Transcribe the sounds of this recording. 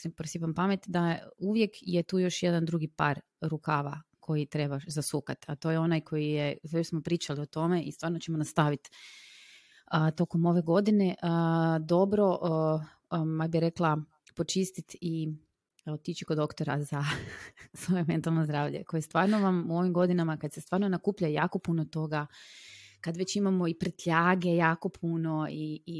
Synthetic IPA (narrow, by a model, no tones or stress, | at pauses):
simpɾosipampame̞t̪d̪auʋje̞kjet̪uːjo̞ʃje̞d̪and̪ɾuɡipaɾ | ɾukaːʋa̰kʰo̞jit̪ɾe̞baʃzasukat̪at̪o̞jeo̞najkʰo̞jijesoesmopɾiːt͡ʃalio̞t̪o̞meʔist̪ʋaːɾnot͡ɕemonast̪aʋit̪ | ət̪o̞ko̞mo̞ʋe̞ɡo̞d̪ine̞ʔəd̪o̞bɾo̞ʔ | ajbiɾeklˠa | po̞t͡ʃist̪it̪i | ot̪it͡ʃikod̪o̞kt̪o̞ɾaza | sʋo̞je̞me̞nt̪alˠnozd̪ɾaːʋʎe̞̰kojest̪ʋaːɾnoʋamuo̞ʋimɡo̞d̪inamakad̪se̞st̪ʋaːɾnonakuːpʎaja̰ːko̞punot̪o̞ɡa | kad̪ʋet͡ɕimamo̞ipɾet̪ʎaːɡe̞jaːko̞pʰunoi